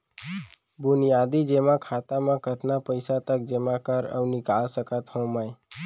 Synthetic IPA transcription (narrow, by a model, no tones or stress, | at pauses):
bʊnijad̪id͡ʒemãkʰat̪amãkət̪napəɪsat̪ək̚d͡ʒemãkəɾə̰wnɪkalsəkət̪hõmaj